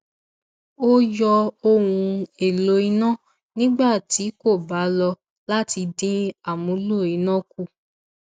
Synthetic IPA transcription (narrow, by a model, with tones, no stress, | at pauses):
o˦jɔ˧o˧wũ˧e˨lo˧i˧˦nã˦˨ | nĩ˦ɡ͡ba˦˨ti˨˦ko˦˨ba˨˦lɔ˧ | la˦ti˧dĩ˦a˦˨mũ˨˦lo˦˨i˨˦nã˦ku˦˨